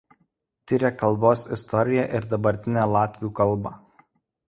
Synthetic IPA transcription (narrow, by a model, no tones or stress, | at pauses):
t̪ʲɪɾʲɛkɐlˠboːsɪst̪ɔɾʲɪjɛʔɪɾd̪ɐbɐɾʲt̪ʲɪnʲælˠɑːt̪ʲʋʲjuːkɐlˠˑbɑ